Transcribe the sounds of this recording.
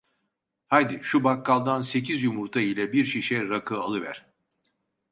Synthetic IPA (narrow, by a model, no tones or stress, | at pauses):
hajd̪iʃubakːalˠd̪anse̞cʰizjumuɾt̪ʰailʲɛbiɾʃiʃɛɾakʰɯalˠɯvæ̰ɾ̥